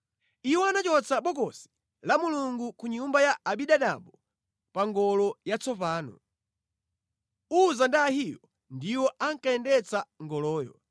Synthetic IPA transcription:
iwɔanat͡ʃɔt͡sʰaɓɔkɔsi̥ | lamuluŋɡukuɲumbajaaɓiɗaɗa̰ɓɔ | paŋɡɔlɔjat͡sɔpaːnɔ̰ | uzandaːhijɔ | ndiwɔʔaŋkaɛndɛt͡saŋɡɔlɔːjɔ̰

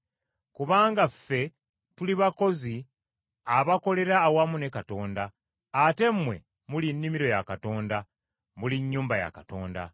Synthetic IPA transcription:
kuβaːŋɡafːe̞ | tuliβako̞zi | aβako̞le̞ɾaːwamune̞kato̞ːndaː | te̞mːwe̞̰ | mulinːimiɾo̞jakato̞ːnda | muliɲːuːmbaja̰kato̞ːnda̰

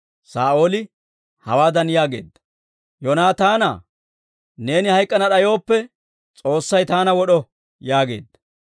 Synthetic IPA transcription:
saːʔo̞ːlɪ | hɐ̰waːd̪ɐnjaːɡe̞̰ːd̪ːɐ̥ | jonaːt̪aːna̰ | ne̞ːnɪhɐjkʼːɐnɐɗɐjo̞ːpːɛ | t͡sʼo̞ːsːɐjt̪aːnɐwɔɗɔ | jaːɡe̞̰ːd̪ːɐ̥

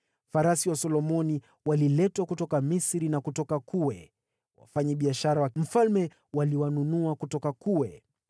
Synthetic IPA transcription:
faɾasiwasɔlɔmɔni | walilɛtwakutɔkamisɾinakutɔkakuwɛ | wa̰faɲɛɓiaʃaɾawam̩falmɛ | waliwanunuakutɔkakuwɛ

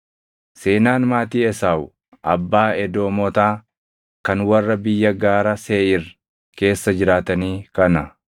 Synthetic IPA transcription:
se̞ːnaːnmaːt̪iːɛsaːwʊ | ʔɐbːaːɛd̪o̞ːmɔt̪aː | kɐnwɐrːɐbɪjːɐɡaːɾɐseːʔɪr | ke̞ːsːɐd͡ʒɪɾaːt̪ɐniːkɐnɐ

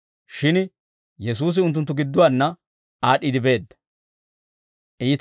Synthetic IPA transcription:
ʃɪn | jɛs̬uːs̬ɪʊnt̪ːʊnt̪̬ːʊɡɪd̪ːʊwanːɐ | aːɗid̪ɪbe̞ːd̪ːɐ̥ | ʔiːt̪

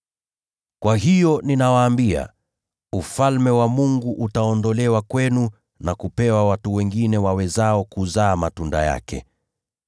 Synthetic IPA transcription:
kwaɦijɔninawaːmbia̰ | ufalmɛwamuŋɡuʔutaɔndɔlɛwakwɛnu | nakupɛwawatuwɛŋɡinɛwawɛzaɔkuzaːmatunda̰ja̰kɛ̰

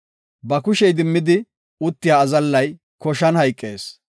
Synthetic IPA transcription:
bɐkʊʃɛjd̪ɪmːɪd̪ɪ | ʊt̪ːɪjaːzɐlːɐj | kɔʃɐnhɐjkʼːeːs

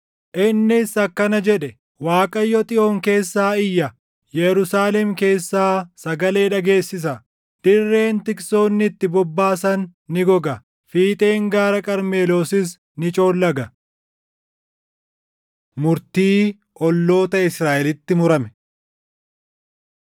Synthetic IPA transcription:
ʔɪnːɪsɐkːɐnɐd͡ʒɛᶑɛ | waːkʼɐjːɔt̪ʼɪʔo̞ːŋke̞ːsːaːɪjːɐ | jɛɾʊsaːlɛmke̞ːsːaːsɐɡɐle̞ːᶑɐɡe̞ːsːɪs̬ɐ | d̪̥ɪrːe̞ːnt̪ɪkso̞ːnːɪt̪ːɪbɔbːaːs̬ɐnːɪɡɔɡɐ | fiːt̪ʼe̞ːŋɡaːɾɐkʼɐɾme̞ːloːsɪs | nɪt͡ʃʼo̞ːlːɐɡɐ | mʊɾt̪iː | ʔɔlːo̞ːt̪ɐɪsɾaːʔɛlɪt̪ːɪmʊɾɐmɛ

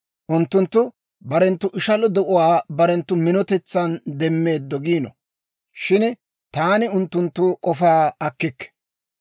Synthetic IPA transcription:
ʔʊnt̪ːʊnt̪ːʊ | bɐɾɛnt̪ːʊʔɪʃɐlɔd̪ɛʔʊwaːbɐɾɛnt̪ːʊmɪnɔt̪ɛt͡sːɐnd̪ɛmːe̞ːd̪ːɔɡiːnɔ | ʃɪn | t̪aːnɪʊnt̪ːʊnt̪ːʊkʼɔfaːɐkːɪkːɛ̥

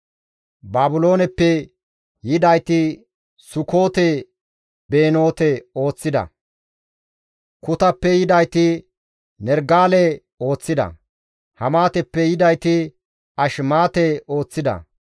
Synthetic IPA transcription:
baːbʊlo̞ːnɛpːɛ | jɪd̪ɐjt̪ɪ | sʊkoːt̪ɛ | be̞ːno̞ːt̪ɛo̞ːt͡sːɪd̪ɐ̰ | kʊt̪ɐpːɛjɪd̪ɐjt̪ɪ | nɛɾɡaːlɛ | o̞ːt͡sːɪd̪ɐ̰ | hɐmaːt̪ɛpːɛjɪd̪ɐjt̪ɪ | ɐʃmaːt̪ɛo̞ːt͡sːɪd̪ɐ̰

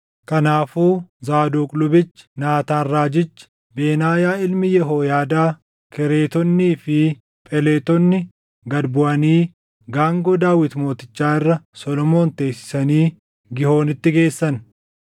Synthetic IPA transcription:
kɐnaːfuːzaːd̪oːkʼlʊbɪt͡ʃːɪ̥naːt̪aːrːaːd͡ʒɪt͡ʃːɪ̥ | beːnaːjaːɪlmɪjɛɦoːjaːd̪aː | kɛɾe̞ːt̪ɔnːiːfɪ | pʼɛle̞ːt̪ɔnːɪ | ɡɐd̪bʊʔɐniː | ɡaːŋɡoːd̪aːwɪt̪mo̞ːt̪ɪ̥t͡ʃːaːɪrːɐsɔlɔmo̞ːnt̪e̞ːsːɪ̥sɐniː | ɡɪho̞ːnɪt̪ːɪɡe̞ːsːɐn

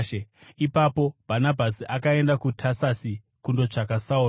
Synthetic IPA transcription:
eipapo̞b̥ʱanabʱasiʔakae̞ndakutʰasasi | kundo̞ʐakasauː

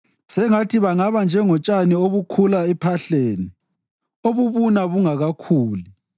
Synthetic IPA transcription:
sɛŋatʰiβaŋaβand͡ʒʱɛŋɔt͡ʃʼanioβukʰulaɛpʰaɬeːni | oβuβunaβuŋaɣakʰuːli

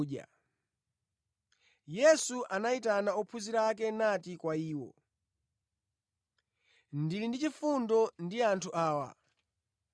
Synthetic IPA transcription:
a̰ | jɛsuʔanaitanaɔpʰuziɾakɛnatikwaiːwɔ̰ | ndilindit͡ʃifundɔndiantʰuʔaːwa̰

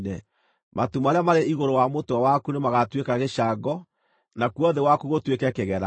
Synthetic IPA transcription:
nɛ | mʔatumaɾeamaɾeiɣoɾowamotawakunemaɣatwekaɣeʃaɡɔ | nakuɔðewakuɣotwekɛkeɣɛɾa

